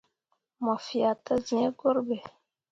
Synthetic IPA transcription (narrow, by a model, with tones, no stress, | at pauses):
mɔ˨fi˨a˨tə˦zĩ˨ɛ˦ɡo˦ɾbɛ˨